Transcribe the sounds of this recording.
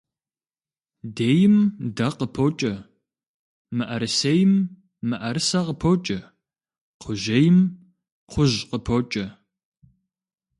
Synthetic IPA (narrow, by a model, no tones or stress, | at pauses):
deːjɪmdɐqəpʰoːt͡ʃʼɐ | mɨʔɐɾɨsejɪmː | ɨʔɐɾɨsɐqəpʰot͡ʃʼɐ | qʰʊʒɐjɪm | qʷʊʑqəpʰoːt͡ʃʼɐ